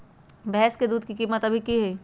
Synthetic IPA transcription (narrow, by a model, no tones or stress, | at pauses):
bɛɦɛsked̪uːd̪̚kikiːmət̪ɐbʱikiɦɛiː